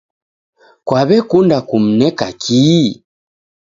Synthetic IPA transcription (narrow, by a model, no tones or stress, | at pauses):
kwaβɛkundakum̩nɛkakʰi